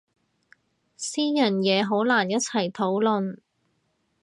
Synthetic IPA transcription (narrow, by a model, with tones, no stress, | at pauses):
siː˥jɐ˨˩njɛː˨˧ɦo˨˥wlaː˨˩njɐ˥t̚t͡sʰɐ˨˩jt̪ʰo˨˥wlɵ˨n